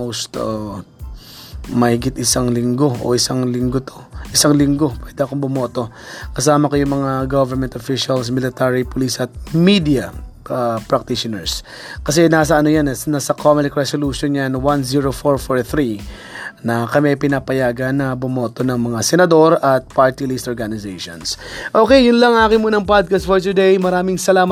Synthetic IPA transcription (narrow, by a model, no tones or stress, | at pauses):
most̪o | mɐhɪɡɪt̪ɪsaŋlɪŋɡo̞ʔo̰ʔɪsaŋlɪŋɡot̪oʔɪsaŋlɪŋɡo̞pwɛːd̪ɛʔɐkoŋbʊmo̞ːt̪o̞ | kɐsaːmɐkojʊŋmɐŋaɡovɛɹmɛnt̪ofiʃɐls̬mɪlɪt̪aɹipʊlisɐt̪̚mid̪ijɐɐpɹɐk̚t̪iʃɪnɛɹs | kɐs̬ɛnaːs̬ɐɐnojannasɐkomɪlɪkɹɛsoluʃonjanwanziɹofoɹfoɹθɾi | nɐkɐmiɐjpɪnapɐjaːɡɐnːɐbʊmo̞ːt̪o̞nɐŋmɐŋasɛnɐd̪o̞ɾɐt̪̚paɹt̪ilist̪ʔoɹɡanɪzejʃo̰nsʔoːkɛjjʊnlɐŋaːkɪŋmuːnɐŋpad̪̚kɐst̪foɹt̪ʊd̪ejmɐɾaːmɪŋsɐlaːm